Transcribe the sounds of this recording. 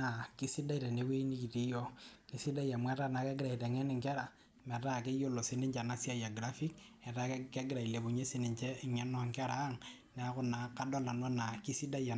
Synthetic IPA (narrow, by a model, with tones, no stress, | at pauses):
na˨ki˦si˦da˦i˨te˨ne˨˦we˦i˦ni˦ki˨ti˦jɔ˦ki˦si˦da˦ja˨mwɛ˦ta˦na˨ke˦ɡɪ˦ɾa˨i˨te˨ŋɛ˦ni˨ŋkɛ˦ɾa˨ | mɛ˨ta˦˨ke˦jo˦lo˨si˦ni˦ɲt͡ʃa˨na˦si˦a˦ja˨ɡɾa˦fi˦k | ɛ˨ta˦kke˦ɡɪ˦ɾa˨i˨le˨bo˨ɲe˦si˦ni˨ɲt͡ʃɛ˦˨ŋɛ˦nɔ˦˨ŋkɛ˦ɾa˨˦ŋ | nɛ˨a˦kʊ˦na˨ka˦do˦la˨nwa˦na˨ki˦si˦da˦ja˨